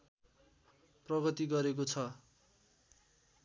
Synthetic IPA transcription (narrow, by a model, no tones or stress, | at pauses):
prʌɡʌt̪iɡʌɾek̬ot͡sʰʌ